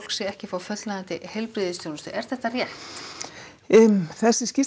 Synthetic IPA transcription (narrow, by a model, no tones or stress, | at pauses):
lksɛɣɛhcɪfawfœt̪laðnt̪ɪhelpɾiːðɪst̪jownʏst̪ʏ̰ʔɛɾ̥θɛht̪arjɛht̪ | θɛsːɪscɪs